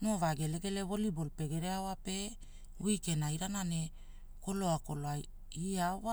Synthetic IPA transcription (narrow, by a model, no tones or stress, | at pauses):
novaɡe̞le̞ɡe̞leβo̞libolpe̞ɡe̞ɾeawape̞ | wike̞naiɾanane | ko̞lo̞ako̞loa | iawa